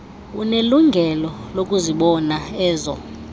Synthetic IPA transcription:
ṵneluŋɡʱɛlɔlokʼuziɓɔnaɛːzɔ̰

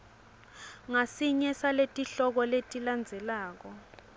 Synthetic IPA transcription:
ŋasiɲɛsaletʼiɬɔk̬ɔletʼiland͡zʱɛlaːk̬ɔ

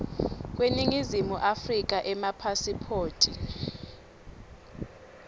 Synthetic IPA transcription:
k̬weniŋizimuʔafrik̬aʔɛmapʰasipʰoːtʰʼi

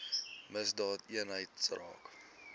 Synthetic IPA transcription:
məsdɑːtiənɦəjtsrɑ̰ːk

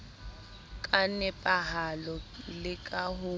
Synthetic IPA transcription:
kʼanɛpʼaɦalɔlɪkʼahʊ

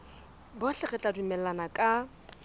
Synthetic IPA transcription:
bɔɬɛɣɛt͡ɬʼadumɛlanakʼa

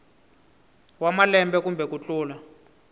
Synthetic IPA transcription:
wamalɛmbɛkumbʱɛk̬ut͡ɬʼuːla

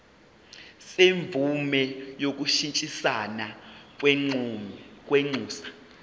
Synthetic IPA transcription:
seɱb̪vʱumɛjok̬uʃint͡ʃʼisana | k̬wɛŋ͡ǀuːsḁ

